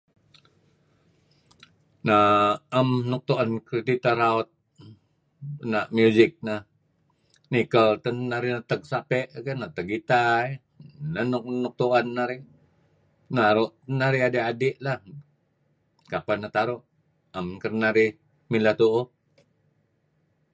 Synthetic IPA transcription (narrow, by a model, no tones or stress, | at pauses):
naamnɔk̚t̪uʔankɾed̪it̪aɾaot̪̚ | naʔmjuzɪk̚na | nikəlt̪ənːaɾinat̪əɡ̚sapɛʔkənat̪əɡit̪ai | nannɔk̚t̪uʔanːaɾi | naɾuʔnaɾiadeadiʔlah | kapanat̪aɾuʔ | amkərnaɾi | milaht̪uʔu